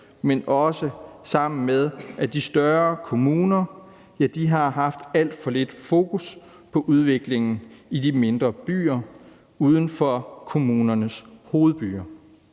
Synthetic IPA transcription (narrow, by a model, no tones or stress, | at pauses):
menʔɒ̽səsɑ̈m̰n̩með̞ˠʔæd̥isd̥ɶɐkʰo̝muːnɐ | jæd̥iɦɑ̈ɦɑ̈fd̥æl̰d̥fɒ̽le̝d̥fo̝ːkʰus | pʰɒ̽ʔuð̞ˠʋe̝ɡ̥le̝ŋn̩idime̝nd̥ʁɐb̥y̰ːɐ | uːð̞ˠn̩fɒkʰo̝muːnɐnəsho̝ːð̞̩ˠb̥y̰ːɐ